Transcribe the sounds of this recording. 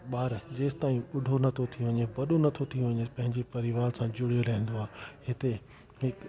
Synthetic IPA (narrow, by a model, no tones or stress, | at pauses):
ɓaːɾd͡ʑeːst̪aːĩʊɖʱonɐt̪ʰot̪ʰijũʋɐɲebɐɗonɐt̪ʰot̪ʰijũʋɐɲepɐ̃ɦɪ̃ɲd͡ʑepɐɾiʋaːɾsãd͡ʑʊɽ̤ijolãĩn̆d̪oaːɦɪt̪e | ɦɪk